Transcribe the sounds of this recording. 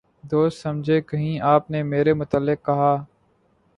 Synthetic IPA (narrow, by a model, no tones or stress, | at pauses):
d̪oːst̪səmd͡ʒʱekəɦĩʔaːpnemeːɾemʊt̪əlːɪkːɐɦaː